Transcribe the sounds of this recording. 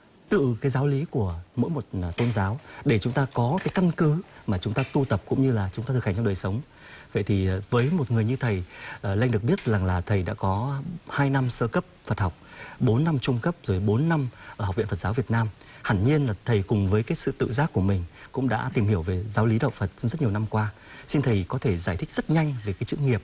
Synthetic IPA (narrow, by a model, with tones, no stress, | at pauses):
t̪ɨ̰˧˨kaː˨˦jzaː˨˦wli˨˦ku˧˩əmo̰˧˥jmo˨˩t̚t̪o˧nzaː˨˦wɗe˧˩t͡ɕʊ˨˦ŋ͡mt̪aː˧kɔ˨˦kaː˨˦jka˧nkɨ˨˦maː˨˩t͡ɕʊ˨˦ŋ͡mt̪aː˧t̪u˧t̪ə˨˩p̚kʊ̰˧˥ŋ͡mɲɨ˧laː˨˩t͡ɕʊ˨˦ŋ͡m̪aː˧t̪ɨ˨˩khŋt͡ɕɗəː˨˩jsə˨˦wŋ͡m | və̰˧˨jt̪ʰi˨˩˨vəː˨˦jmo˨˩t̚ŋɨ˨˩əjɲɨ˧t̪ʰə˨˩jʔla˧jŋ̟ɨ˨˩ək̚ɓi˦˥ət̚za˨˩ŋlaː˨˩t̪ʰə˨˩jɗa̰ː˧˥kɔ˨˦haː˧jna˧msəː˧kə˦˥p̚fə˨˩t̚ha˨˩wk͡p̚ɓo˨˦nːa˧mt͡ɕʊ˧ŋ͡mkə˦˥p̚zo˨˩jɓo˨˦nːa˧mʔəː˧˩ha˨˩k͡p̚vḭ˧˨nfə˨˩t̚zaː˨˦wvi˨˩ət̚naː˧mha˧˩ŋɲi˧ənlaː˨˩t̪ʰə˨˩jkʊ˨˩ŋ͡mvəː˨˦jkaː˨˦jsɨ̰˧˨t̪ɨ̰˧˨zaː˦˥kːu˧˩əmï˨˩ŋ̟kʊ̰˧˥ŋ͡mɗa̰ː˧˥t̪i˨˩mhi˧˩əwve˨˩zaː˨˦wli˨˦ɗə̰˧˨wŋ͡mfə˨˩t̚t͡ɕwŋ͡mzə˦˥t̚ɲ˨˩ə˩na˧mkwaː˧ | si˧nt̪ʰə˨˩jkɔ˨˦t̪ʰe˧˩zaː˧˩jt̪ʰï˦˥k̚z̥ə˦˥t̚ɲa˧jŋ̟ve˨˩kaː˨˦jsɨ̰˧˥ŋi˨˩əp̚